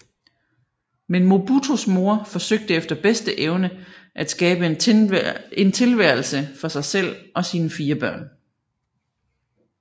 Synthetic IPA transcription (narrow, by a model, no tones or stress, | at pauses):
menmo̝b̥ut͡sʰo̝smo̝ɐfɒ̽søɡ̥̚d̥əefd̥ɐb̥esd̥əʔeʊnəʔæd̥sɡ̥ɛːb̥ə | e̝nt͡sʰe̝lʋæɐ̰l̩səfɒ̽sɑ̈ɪsel̰ʔɒ̽siːnəfiːɐb̥ɶɐ̰n